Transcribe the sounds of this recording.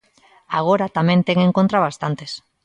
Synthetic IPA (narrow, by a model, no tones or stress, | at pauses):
aɣ̞oɾat̪amẽnt̪eŋeŋkont̪ɾaβast̪ant̪es